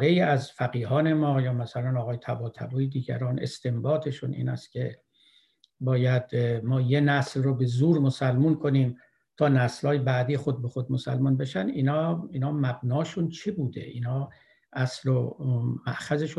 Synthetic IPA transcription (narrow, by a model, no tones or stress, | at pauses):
ɾe̞jiːæzfæɡiːɦɒːne̞mɒːjɒːmæsælænɒːɣɒːjet̪ʰæbɒːt̪ʰæ̰buːjed̪iːɟæ̰ɾɒːnʔe̞̰st̪e̞mbɒːt̪ʰe̞ʃunʔḭːnæ̰st̪̚cʲʰe̞ | bɒːjæd̪mɒːjenæslrobe̞zuːɾmosælmunkʰo̞niːm | t̪ʰɒːnæslhɒːjebæd̪iːxod̪̚be̞xod̪mosælmunbe̞ʃæniːnɒːiːnɒːmæbnɒːʃunt͡ʃʰebuːd̪e̞̰ʔiːnhɒː | ʔæslomæ̰ʔxæzeʃu